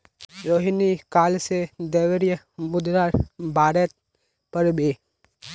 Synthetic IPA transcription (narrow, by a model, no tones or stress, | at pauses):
ɾoːɦinikaːlsed̪eːwəɾjə | mʊd̪ɾaːɾbʱaːɾət̪̚ | pəɾbeː